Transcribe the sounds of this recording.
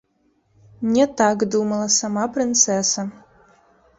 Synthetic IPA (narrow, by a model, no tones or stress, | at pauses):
mnʲet̪akd̪umɐlˠɐsamapɾʲɪnt̪sɛsa